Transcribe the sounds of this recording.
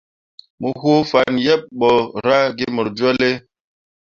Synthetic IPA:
mu˨ho˦fa˨njɛ˦p̚ɓɔ˨ɾa˦ɡi˦mo˨ɾd͡ʒwɔ˦le˦

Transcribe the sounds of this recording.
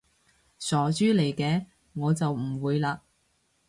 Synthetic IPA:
sɔː˨˩t͡ʃyː˥le˨˩jkɛː˧ | ŋɔː˨˧t͡sɐ˨wm̩˨˩wuː˨˧jlaː˧

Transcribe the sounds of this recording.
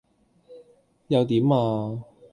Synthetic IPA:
jɐ˨˧wt̪iː˨˥maː˧

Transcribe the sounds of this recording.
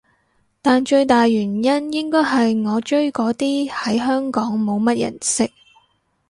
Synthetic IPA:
t̪aː˨nt͡ʃɵ˧ɥt̪aː˨jɥyː˨˩njɐ˥njɪ˥ŋkɔː˥jɦɐ˨jŋɔː˨˧t͡ʃɵ˥ɥkɔː˨˥t̪iː˥hɐ˨˥jɦœː˥ŋkɔː˨˥ŋmo˨˧wmɐ˥t̚jɐ̰˨˩nsɪ˥k̚

